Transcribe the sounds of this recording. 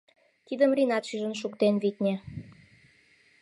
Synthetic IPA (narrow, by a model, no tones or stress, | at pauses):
t̪id̪əmrʲinɑt̪ʃyʒə̆nʃ̬ukt̪enβit̪ʲnʲĕ